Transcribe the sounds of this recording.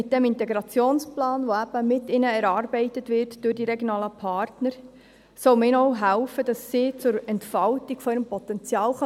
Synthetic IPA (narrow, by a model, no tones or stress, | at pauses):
ɪt̚d̥ɛmɪntɛɡɾɑt͡sjoːnsplɑːnʋoæb̥əmɪtɪnəɛɾɑːrbɛɪtətʋɪrtd̥ʊrdiɾɛɡjonɑːləpʰɑːrtnəɾ | sɔwmɪːnɔʊɦælfəd̥ɑsːiːt͡sʊɾɛntfɑltiɡ̥fɔɪɾəmpɔt̪ɛnt͡sjɑːlχ